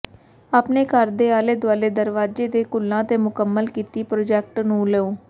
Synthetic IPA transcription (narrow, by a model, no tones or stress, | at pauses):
aːpneːkəɾd̪eːaːleːd̪ʊaːleːd̪əɾʋaːd͡ʒeːd̪eːkʊlːãːt̪eːmʊkəmːəlkiːt̪iːpɾoːd͡ʒɛːk̚ʈnũːlɛːoː